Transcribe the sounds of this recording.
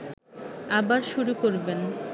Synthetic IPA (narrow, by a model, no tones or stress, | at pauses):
abaɾʃuɾukoɾben